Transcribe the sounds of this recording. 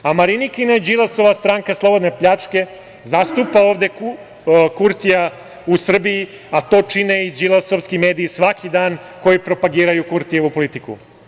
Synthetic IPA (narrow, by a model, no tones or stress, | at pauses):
amaɾinikinad͡ʒilˠaso̞ʋast̪ɾaŋkaslˠo̞bo̞d̪nepʎat͡ʂke̞ | zast̪upao̞ːʋd̪e̞k | kuɾt̪ija | usr̩bii | at̪o̞ːt͡ʃineid͡ʒilasoʋskime̞ːd̪iːsʋakʰid̪aːn | ko̞jipɾo̞paɡiːɾajukuɾt̪ijeupo̞lit̪ikṵ